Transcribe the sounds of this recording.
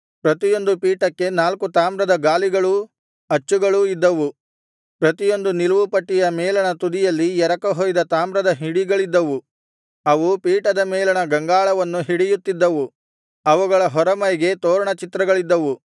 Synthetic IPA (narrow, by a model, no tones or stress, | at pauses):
pɾɐt̪ijo̞nd̪upiːʈɐkːe̞naːlkut̪aːmbɾɐd̪ɐɡaːliɡɐɭu | ɐt͡ʃːuɡɐɭuid̪ːɐʋu | pɾɐt̪ijo̞nd̪uniluʋupɐʈːijɐmɛːlɐɳɐt̪ud̪ijɐlːijɛɾɐkɐɦoːjd̪ɐt̪aːmbɾɐd̪ɐɦiɽiɡɐɭid̪ːɐʋu | ɐʋupiːʈɐd̪ɐmɛːlɐɳɐɡɐŋɡaːɭɐʋɐnːuɦiɽijut̪ːid̪ːɐʋu | ɐʋuɡɐɭɐɦɔɾɐmɐjɡe̞t̪oːɾɐɳɐt͡ʃit̪ɾɐɡɐɭid̪ːɐʋu